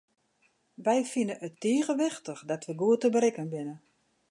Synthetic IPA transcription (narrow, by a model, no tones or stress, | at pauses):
ʋɛjfinənʔətːiːəɣəʋɪxtəxdɔtʋəɡuətəbəɾɪkənbɪnə